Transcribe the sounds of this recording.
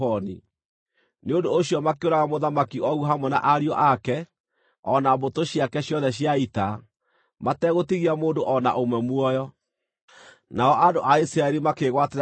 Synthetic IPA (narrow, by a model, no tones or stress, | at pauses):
ɔni | neondoːɕjɔmakeoɾaɣamoðamakiɔɣuɦamwɛna̰ʔaɾiɔʔakɛ | ɔnabotoɕjakɛɕjɔðɛɕ̬jaita | matɛɣotiɣiamoːndoʔɔna̰ʔomwɛmwɔjɔ | naɔʔandoʔaisɾaɛɾimakeɣwateɾ